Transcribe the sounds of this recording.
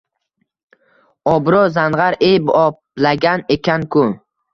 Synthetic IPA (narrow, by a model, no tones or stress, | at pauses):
ɒbɾozanʁɑɾejbɒp̚laɡʲane̞kʲʰankʰʊ